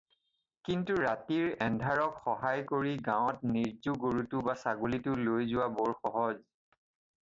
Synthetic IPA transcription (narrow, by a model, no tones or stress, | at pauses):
kintuɹatiɹɛndʱaɹɔkxɔɦajkoɹiɡãwɔtniɹzuɡoɹutʊbasaɡolitʊlojzʊwabɔɹxɔɦɔz